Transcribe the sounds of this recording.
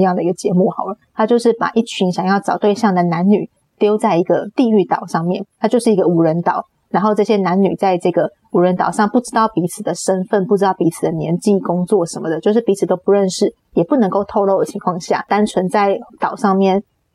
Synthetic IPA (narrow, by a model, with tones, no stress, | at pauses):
jɑ˥˩ŋd̪ə˩i˧˥ɡə˩t͡ɕjɛ˧˥mu˥˩xɑ˨˩ʊlə˩˦t̪ʰa˥t͡ɕjo˥˧ʊʂɻ̩˥˩pa̰˨˩ʔi˥˩t͡ɕʰi˧˥ŋɕjɑ˨˩ŋjɑ˥˩ʊʈ͡ʂɑ˨˩ʊt̪we˥˧ɪɕjɑ˥˩ŋd̪ə˩na˧˦˥nny˨˩ | t̪jo˥ʊt͡sa˥˩ɪi˧˥ɡə˧t̪i˥˧y˥˩t̪ɑ˨˩ʊʂɑ˥˧ŋmjɛ˥˩˨nt̪ʰa˥t͡ɕjo˥˧ʊʂɻ̩˥˩i˧˥ɡə˧u˨˥ɻə˧˥nt̪ɑ˨˩˦ʊ | ɻa˧˥nxo˥˧ʊʈ͡ʂɤ˥˩ɕjɛ˧˥na˧˥nny̰˨˩t͡sa˥˧ɪʈ͡ʂɤ˥˩ɡə˩ | u˧˥ɻə˧˦nt̪ɑ˨˩ʊʂɑ˥˩ŋpu˥˩ʈ͡ʂɻ̩˥t̪ɑ˥˩ʊpi˧˥t͡sʰɹ̩˨˩d̪ə˦ʂə˥nfə˥˧npu˥˩ʈ͡ʂɻ̩˥t̪ɑ˥˩ʊpi˧˥t͡s̩ʰ˨˩d̪ə˦njɛ˧˥nt͡ɕi˥˧kʊ˥ŋt͡swɔ˥˩ʂə˧˥nmə˧d̪ə˨˦t͡ɕjo˥˧ʊʂ̬ɻ̩˥˩pi˧˥t͡s̩ʰ˨˩t̪o˥ʊpu˧˦ɻə˥˧nʂɻ̩˥˩ | jɛ˨˩pu˥˩nə˧˥ŋko˥˧ʊt̪ʰo˥˧ʊlo˥˩ʊd̪ə˩t͡ɕʰi˧˥ŋkʰwɑ˥˧ŋɕja̰˥˩t̪a˥nt͡sʰwə˧˥nt͡sa˥˩ɪt̪ɑ˨˩ʊʂɑ˥˧ŋmjɛ˥˩n